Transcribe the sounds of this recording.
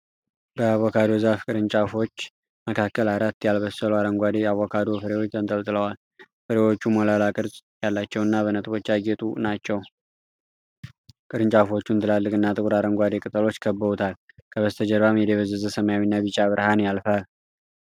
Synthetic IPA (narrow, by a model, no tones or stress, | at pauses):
bəawːɔkʰad̪ozafkʼɨɾɨnt͡ʃʼafo̞t͡ʃː | məkʰakːəlaɾat̪ːjalβəsəluaɾəŋɡʷad̪eawɔkʰad̪ofəɾewot͡ʃːt̪ʰənt̪ʼəlt̪ʼɨləwal | fəɾewo̞t͡ʃːumolalakʼɨɾzʼjalːat͡ʃːɛwɨnːaβənət̪ʼβo̞t͡ʃːaɡet̪ʼunat͡ʃːɛw | kʼɨɾɨnt͡ʃʼafo̞t͡ʃːunt̪ʰɨlalːɨkʼɨnːat̪ʼɨkʼɾaɾəŋɡʷad̪e̞kʼɨt̪ʼəlo̞t͡ʃːkʰəbːəβut̪ʰal | kʰəβəst̪ʰəd͡ʒəɾβamjɛd̪eβəzːəzəsəmajawinːaβɨt͡ʃʼaβɨɾhanjalfal